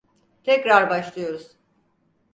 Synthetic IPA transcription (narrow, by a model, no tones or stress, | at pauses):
t̪ʰɛcɾaɾbaʃlˠɯjo̞ɾuz̥